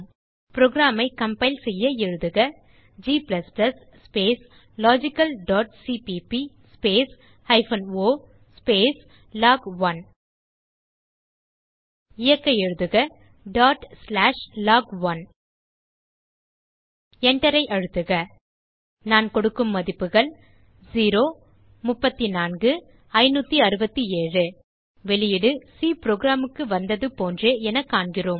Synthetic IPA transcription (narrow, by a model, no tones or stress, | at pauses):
pɪɾɔɡɪɾaːmɐɪkɐmpɐɪlsɛjːɐɛɻɯðɯɣɐ | d͡ʒiːplɐsplɐsːpeːs | laːd͡ʒɪkːɐlɖaːʈsiːpipi | speːs | ɐɪfɐnoː | speːs | laːɡɐn | ɪjɐkːɐɛɻɯðɯɣɐ | ɖaːʈslaːʂlaːɡʋɐn | ɛɳʈɐɾɐɪʔɐɻɯt̪ːɯɣɐ | naːnkɔɽɯkːɯmːɐðɪpːɯɣɐɭ | d͡ʒiːɾoː | mʊpːɐt̪ːinaːnɡɯ | ɐɪnuːt̪ːiɐɾɯbɐt̪ːieːrɯ | ʋɛɭɪjɪɽɯsiːpɪɾoːɡɾaːmɯkːɯʋɐnd̪ɐðɯpoːndreːɛnɐkːaːɳɡɪroːm